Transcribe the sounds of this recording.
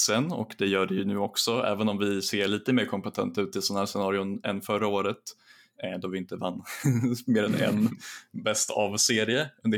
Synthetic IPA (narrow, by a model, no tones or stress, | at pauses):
sɛnɔ̰kd̪ɛjœːɖɛjɵnʉ̟ːɔksɔɛ̰ːvənɔmvɪseːɭiːt̪əmeːɾkʰɔmpɛt̪ʰɛ̰nt̪ʉ̟ːt̪ʰːɪlsɔnahæːʂɛnɑːɾɪʊnɛnfœɾaoːɾət̪ | d̪ɔvɪɪnt̪əvanːmeːɾɛnɛ̰nbɛst̪ʰa̰vseːɾɪəɵnd̪ə